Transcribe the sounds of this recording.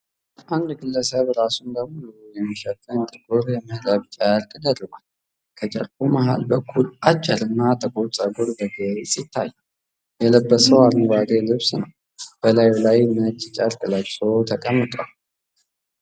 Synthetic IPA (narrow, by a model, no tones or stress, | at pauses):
ʔand̪ɡɨlːəsəβɾasund̪əmulujɛmːəʃət̪ʼənt̪ʼəɡuɾjɛməhləβt͡ʃʼəɾkʼd̪ərːəɡʷal | kʰət͡ʃʼə̰ɾkʰʼumaha̰lbəkʰːulʔat͡ʃʼːəɾɨnːat̪ʰʼəkʼoɾt͡sʼəɡuɾbəɡesʼit̪ʰːa̰jː | jɛləbːəsəwalnɡʷaɡelɨβsnəw | b̥əlajlajnət͡ʃʼːt͡ʃʼəɾkʼɨləɡsot̪ʰəkʼəmːɨt̪ʼwal